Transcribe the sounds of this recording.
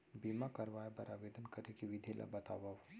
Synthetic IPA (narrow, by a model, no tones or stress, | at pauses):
biːmakɐɾʋaːebɐɾaʋeːd̪ənkɐɾekiʋɪd̪ʱelʔa̰bɐt̪a̰ːʋaʋ